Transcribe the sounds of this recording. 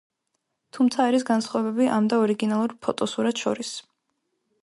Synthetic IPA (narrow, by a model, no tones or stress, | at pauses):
t̪ʰumt̪sʰaːɾisɡansχwavɛbɛbiʔamd̪aɔɾiɡinalˠuɾpʰɔt̪ʼɔsuɾat̪ʃɔ̰ɾis